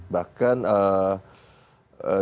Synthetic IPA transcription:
bakanə | ə

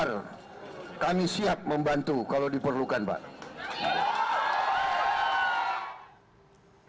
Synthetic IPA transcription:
r | kamisiap̚məmbant̪ukaladipərlukanba̰ʔ

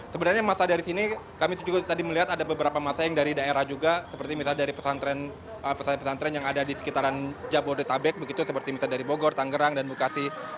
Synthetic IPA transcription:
səbənarɲamasadaɾisini | kamisd͡ʒuɡat̪adiməliɦat̪adabəbəɾapamasajaŋdaɾidaeɾahd͡ʒuɡasəpərt̪imisaldaɾipəsant̪ɾɛn | əpəsapəsant̪ɾɛnjaŋadadisə̥kit̪aɾand͡ʒaboɾit̪abɛk̚bəɡit̪usəpərt̪imisadaɾiboɡɔrt̪aŋɡəɾaŋdanbukasi

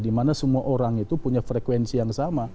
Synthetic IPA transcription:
dimanasəmuaʔoɾaŋit̪upuɲafɾekwɛnsijaŋsama

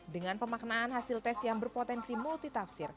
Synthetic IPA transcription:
dəŋanpəmak̚naːnɦasɪlt̪ɛsjaŋbərpot̪ɛnsimult̪it̪afsɪr

